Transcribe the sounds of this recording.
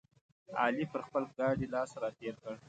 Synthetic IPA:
ɑ̰lipəɾxpəlɡɑɽilɑsɾat̪eɾkəɽ

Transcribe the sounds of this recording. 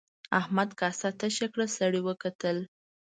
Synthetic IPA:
ahmad̪kɑsat̪əʃakɽəsaɽiwəkat̪əl

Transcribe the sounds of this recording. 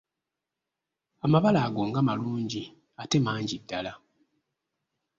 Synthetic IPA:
amaβalaːɡo̞ːŋɡamaluːɲɟi | ate̞maːɲɟidːala

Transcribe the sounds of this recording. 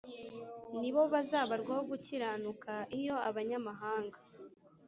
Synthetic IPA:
niβo̞βazaːβaɾɡwahoɡuciɾaːnukaijo̞aβaɲamaɦaːŋɡa

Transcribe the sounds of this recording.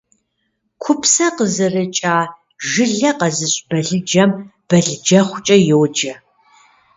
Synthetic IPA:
kʷʰʊpsɐqəzɨrɨt͡ʃʼaː | ʒɪɮɐqɐzɨɕʼb̥ɐɮɨd͡ʒɐmb̥ɐɮɨd͡ʒɐχʷʊt͡ʃʼɐjowd͡ʒɐ

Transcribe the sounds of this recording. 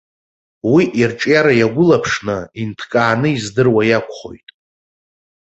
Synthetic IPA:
wiʔirʈ͡ʂʼjaɾajaɡʷʊlapʰʂnɨintʰkʼaːnɨizdɨrwajakʷʰʼχo̞̰jtʼ

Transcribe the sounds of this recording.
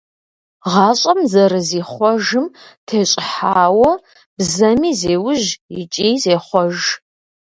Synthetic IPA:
ʁɑːɕʼɐmzɐrɨzeːχʷɔʒɨmtʰeːɕʼɪħaːwɔ | b̥zɐmiːzeːwʊʒjɪt͡ʃʼiːzeːχʷɔʒ

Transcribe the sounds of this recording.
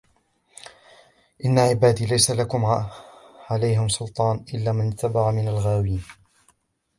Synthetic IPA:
ʔɪnːaʕɪbaːd̪iːlajsalakʊm | ʕalajɦɪmsˤʊlt̪ˤɑːnʔɪlːaːmanɪt̪ːabaʕamɪnalɣaːwiːn

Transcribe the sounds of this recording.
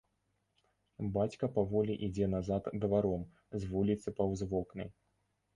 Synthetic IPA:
bat͡sʲkɐpavɔlʲiʔid͡zʲɛnazat̪d̪vaɾɔm | zvulʲit̪sɨpɐwzvɔknɐ̰j

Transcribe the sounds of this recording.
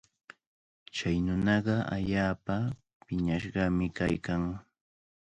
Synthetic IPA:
t͡ʃajnʊnɑɢɑa̰ʎaːpa | pɪɲaʃɢɑmɪkajkaŋ

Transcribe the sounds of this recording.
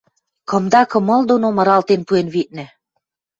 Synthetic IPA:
kɤ̆md̪ɑkɤ̆mɤ̆ld̪onomɤ̆ɾɑlt̪enpuenβit̪̚nɘ̆

